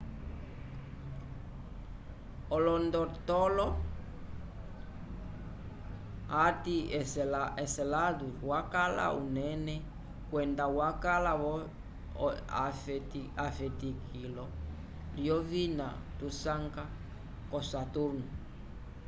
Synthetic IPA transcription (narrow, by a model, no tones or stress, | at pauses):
ɔlɔndɔt̪ɔlɔ | atiɛsɛsɛlaðuwakala̰unɛnɛ | kwɛndawakalaβɔ | afɛtikʰilɔ | liɔvina̰ | t̪usaŋka | kɔsatuɾnu